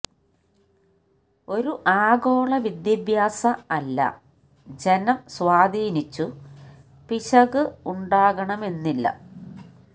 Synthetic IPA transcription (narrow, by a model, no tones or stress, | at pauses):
o̞ɾuʔaːɣo̞ːɭɐʋid̪jɐbʱjaːsɐɐlːɐ̰ | d͡ʑe̞nɐmswaːd̪ʱiːnit͡ɕːu | piɕɐɣɨuɳɖaːɣɐɳɐme̞nːilːɐ̰